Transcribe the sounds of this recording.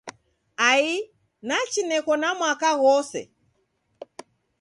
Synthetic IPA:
ai | nat͡ʃinɛkɔnamwakaɣɔsɛ̰

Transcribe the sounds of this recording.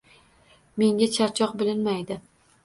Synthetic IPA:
me̞ŋɡʲat͡ʃʰaɾt͡ʃʰɒq̚bɪlɪnmajd̪ɪ

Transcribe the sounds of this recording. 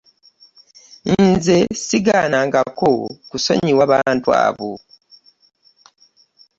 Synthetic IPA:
inze̞siɡanaːŋɡakokuso̞̰ɲiwaβaːntua̰ːβo

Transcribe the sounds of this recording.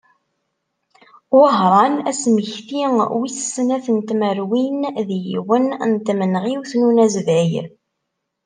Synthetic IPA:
wəɦɾˤɑnæsməçθiŋwissənæθənt̪məɾwinðjiwənnt̪ːmənʁiwθnunæzvæjɾ

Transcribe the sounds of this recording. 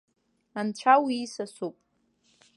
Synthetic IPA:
ant͡ɕʷʰawiːsasupʼ

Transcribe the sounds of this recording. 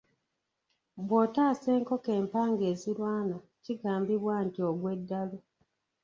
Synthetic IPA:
βwo̞ːtaːse̞ːŋko̞ke̞ːmpaːŋɡe̞ːziɾwaːna | ciɡaːmbiβwantioɡwe̞dːalo

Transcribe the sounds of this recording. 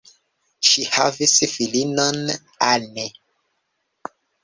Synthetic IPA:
ʃihavisfilinon | ane

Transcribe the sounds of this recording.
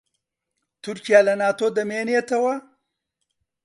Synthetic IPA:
t̪ʊɾkijalanɑːt̪od̪əmenjet̪awa

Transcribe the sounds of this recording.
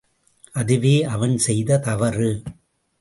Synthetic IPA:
ʔɐðɯʋeːʔɐʋɐnsɛjðɐt̪ɐʋɐɾɯ

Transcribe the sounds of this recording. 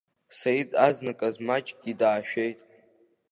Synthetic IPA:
sajidaznakʼazmat͡ʃʼɡʲidaːʃᶣejtʼ

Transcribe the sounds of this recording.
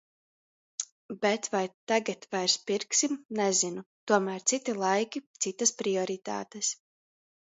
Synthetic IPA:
bet̪vajt̪aɡat̪vajɾspiɾksimnɛzinut̪uɔmæːɾt̪sit̪ilˠajkʲit̪sit̪aspɾiɔɾit̪a̰ːt̪ɛs

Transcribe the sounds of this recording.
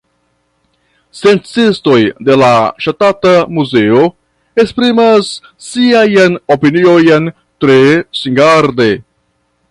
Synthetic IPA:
se̞nt͡sisto̞jde̞laʃatatamuze̞o̞ | espɾimasː | iajanopiniojen | tɾesiŋɡaɾde̞

